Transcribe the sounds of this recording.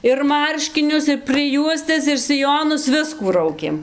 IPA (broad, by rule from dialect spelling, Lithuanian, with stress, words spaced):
ɪr ˈmɐrʲʃʲkʲɪnʲʊs ɪr prɨˈjuɔsʲtʲɛs ɪr sʲɪˈjoːnʊs ˈʋʲɪskuː ˈrɐʊkʲeːm